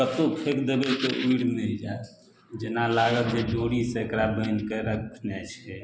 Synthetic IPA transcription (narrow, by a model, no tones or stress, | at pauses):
kət̪opʰekd̪ebekeʔuiɽmɛld͡ʒa | d͡ʒenalaɡət̪d͡ʒed͡ʒoɽiseekɾabənkeɾəkʰt̪ʰnɛt͡ʃʰɛ